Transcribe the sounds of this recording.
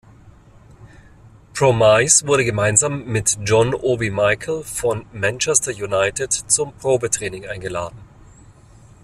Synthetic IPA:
pʁ̥omaɪsv̥ʊɐɾəɡəmaɪnzaːmːɪtd͡ʒɔnʔoːbimaɪkʰl̩fɔnmɛnt͡ʃɛstɐjunaɪtɪtt͡sʊmpʁ̥oːbətʁ̥ɛːnɪŋʔaɪnɡəla̰ːdn̩

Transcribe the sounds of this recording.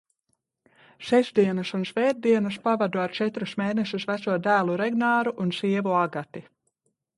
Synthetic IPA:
ʃɛzd̪iɛnasunʃvɛːd̪̚d̪iɛnaspavad̪uaɾt͡ʃɛt̪ɾusmeːnɛʃusvæt̪suɔd̪æːlˠuɾɛɡnaːɾuʔunsiɛvuaɡat̪i

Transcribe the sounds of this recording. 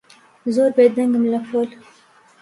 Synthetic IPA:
zoːɾbed̪aŋɡəmlafol

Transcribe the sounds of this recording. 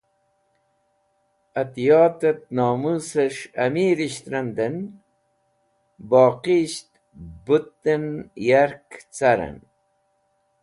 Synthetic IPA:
ɐt̪jɑːt̪ɐt̪̚nɑːmuseʂɐmiːɾiɕt̪ɾɐnd̪ən | bɑːqiɕt̪ | but̪ːənjaɾkt͡saɾə̰n

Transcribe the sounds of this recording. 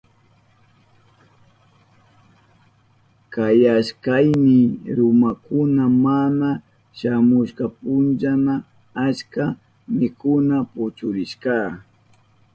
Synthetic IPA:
kajaʃkajnɪɾʊmakʊnamana | ʃamʊʃkapʊnt͡ʃana | at͡ʃka | mɪkʊnapʊt͡ʃʊɾɪʃkaː

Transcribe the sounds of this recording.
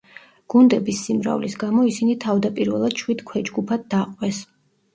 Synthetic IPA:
ɡ̥und̪ɛbisːimɾa̰vlisɡamɔisinit̪ʰavd̪apʼiɾvɛlˠad̪̥ʃwid̪̥kʰwɛd͡ʒɡupʰad̪̚d̪aqʼwɛs

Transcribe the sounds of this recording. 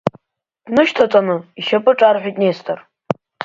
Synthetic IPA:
d̥nɨʃtʰat͡sʼanɨiʃapʼɨʈ͡ʂʼarħʷᶣijtʼnestʰar

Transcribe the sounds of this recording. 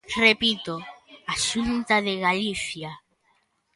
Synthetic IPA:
repit̪oaʃunt̪aðeɣaliθja

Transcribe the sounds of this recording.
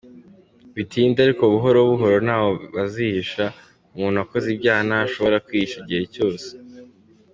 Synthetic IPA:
βitʰiːndaɾikoβuɦo̞ɾoβuɦo̞ɾo̞naːβoβazihiʃa | umuːnuako̞zibɟaːnaːʃo̞βo̞ɾakwiʃaiɟihe̞co̞ːse̥

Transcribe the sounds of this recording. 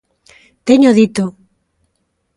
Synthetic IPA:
t̪eɲoðit̪o

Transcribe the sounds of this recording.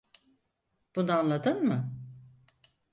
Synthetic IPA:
b̥unanlˠad̪ɯnmɯ

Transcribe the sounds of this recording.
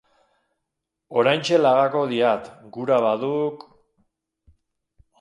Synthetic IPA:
o̞ɾajnt͡ʃe̞laɣako̞ðiat̪ɡuɾaβaðuk

